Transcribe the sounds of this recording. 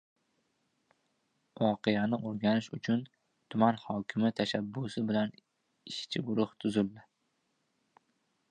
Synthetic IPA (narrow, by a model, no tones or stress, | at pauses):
ʔɒqʰɨjanɪʔoɾɡʲanɪʃʊt͡ʃʰʊn | t̪ʰʊmanhɒːkʲʰɪmɪt̪ʰaʃabːʊsɪbɪlan | ɪʃt͡ʃʰɪɡʊɾʊht̪ʰʊzɪlːɪ